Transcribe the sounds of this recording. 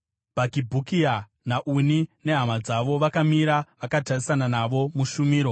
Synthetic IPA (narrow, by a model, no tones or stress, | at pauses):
bʱakibʱukia | naʔunine̞ɦamad͡zaʋo̞ʋakamiɾaʋakatarisananaʋo̞muʃumiːɾo̞